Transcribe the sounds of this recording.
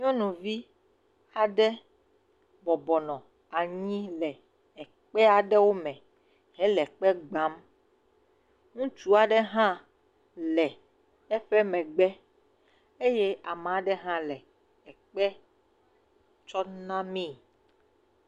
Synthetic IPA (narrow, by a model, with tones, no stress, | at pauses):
ɲɔ̃˦nũ˨vi˦ | a˨ɖɛ˦ | bɔ˨bɔ˨nɔ̃˨ | a˨ɲĩ˦lɛ˨ | ɛ˨ | k͡pɛ˦a˨ɖɛ˦wo˦mɛ̃˨ | ɦɛ̃˦lɛ˨k͡pɛ˦ɡ͡ba˦m | ŋũ˦t͡ʃu˦a˨ɖɛ˦ɦã˦ | lɛ˨ | ɛ˦ɸɛ˦mɛ̃˨ɡ͡bɛ˦ | e˦je˦a˨m˨a˨ɖɛ˦ɦã˦lɛ˨ | ɛ˨k͡pɛ˦ | t͡ʃɔ˦nã˦mĩ˦